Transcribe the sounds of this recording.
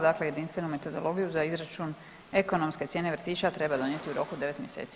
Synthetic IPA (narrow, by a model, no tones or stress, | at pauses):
d̪akleje̞d̪inst̪ʋe̞nume̞t̪o̞d̪o̞̰lˠo̞ɡijuzaizɾat͡ʃun | e̞ko̞no̞mskesjene̞ʋr̩t̪iːt͡ʃat̪ɾe̞bad̪o̞njet̪iuɾo̞kud̪e̞ʋe̞t̪mje̞sḛːt̪si